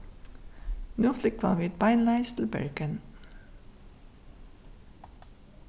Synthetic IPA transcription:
nuːflɪkʰʋɑ̰ːʋiːt̪̚baɪnlaɪst̪l̩bɛ̰ɹɡən

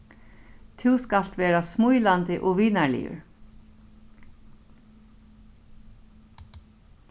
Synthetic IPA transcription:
t̪ʰɪwskal̥t̪ʋeːɾasmujlant̪ɪʔɔʋiːnaɹlɪ̰jʊ̰ɹ

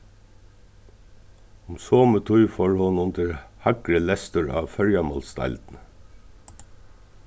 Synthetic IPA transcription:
ʊmsoːmət̪ʰuʏfɔɹhʊnʊnd̪əɹhɑɡɹəlɛst̪ʊɹɑ̰ːʋfœɹjɑmɔlst̪ɑ̰ld̪̥n̩

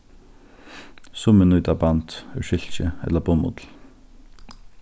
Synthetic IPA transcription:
sʊmənʉːd̪ɑbɑnt̪øːʃʏlçəɛ̰ləboːmʊ̰d̪l̩

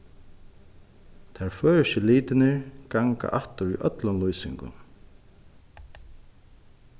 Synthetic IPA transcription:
t̪ʰaɹføːɹɪʃɪliːt̪ɪnɪɹɡaŋka̰ʔaht̪ʊɹuʔœt̪lʊnlujsɪŋkʊ̰n

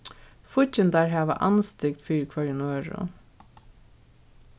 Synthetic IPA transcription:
fʊcənd̪æːɹɦæːʋɑ̰ːʔɑ̰nst̪ɪkt̪fyːɾkʰʋɑɹɪnøːɹʊ̰

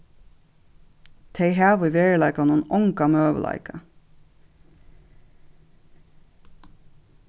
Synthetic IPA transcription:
t̪ʰeɪɦæːʋəʋeːɹəlɑɪkɑnuːnʊŋkɑmøːʋə̰lʔɑ̰ɪkɑ

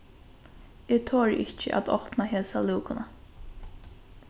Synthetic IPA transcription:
ɪːt̪ʰoːɹɪ̰ht͡ʃə̰ʔa̰t̪ɔ̰hpnaɦɛːsaluːkʊna

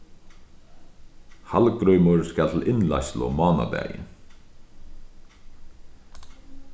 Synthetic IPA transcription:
halkɾœɥmʊɹskalt̪ʰlɪnla̰jslʊmɑːna̰d̪ɛæ̰ːjɪ̰

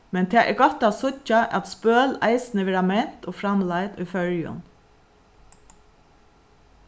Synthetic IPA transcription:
mɛnt̪ʰeʔɛ̰ɡɔt̪ɑsʊcaʔɑ̰t̪spøːlæ̰ɪsnəʋɛːɑmɛn̥t̪oːfɾɑmlɑɪd̪ʉːfœɹjʊ̰n

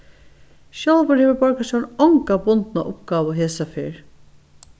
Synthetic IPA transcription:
ʃjɔlʋəɾheːʋəɹbɔɹkaʃɔnɔŋkabʊnt̪naʔʊpɡɑːʋəɦeːsafɪɹ

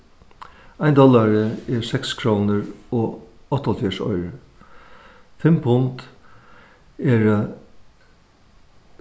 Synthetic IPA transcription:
ajnd̪ɔlaɹəɛɹsɛkskʰɾoːnəɾɔɔht̪ːɔlt̪ʰjɛʂɔ̰ʏɾə | fɪmpʰʊnt̪ | ɛɾ

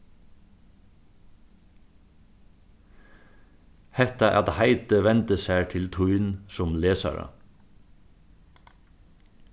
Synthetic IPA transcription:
hɛht̪ɑʔɑ̰t̪haɪt̪əʋɛnt̪əsæːʈʰɪlt̪ʰuʏnsɔmleːsɑ̰ɾɑ̰

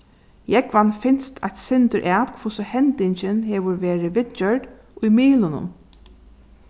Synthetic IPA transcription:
jɛkvanfɪnst̪ʰa̰t̪sɪnt̪əʔæːt̪kʰvʊsɪhɛnt̪ɪɲt͡ɕɪnhɛːʋʊɹʋeːɹɪʋɪt̪̚t͡ʃœɹd | ʊjmiːlʊnʊ̰m

